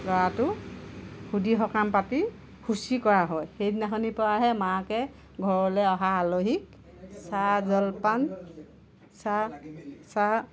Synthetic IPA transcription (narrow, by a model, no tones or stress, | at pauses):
lɔatʊ | hudiɦɔkampati | husikɔɹaɦɔjxejdinaxʰɔnipɔaɦɛmakɛ | ɡʱɔɹɔlɛɔɦaːloɦik̚ | sazɔlpan | sa | sa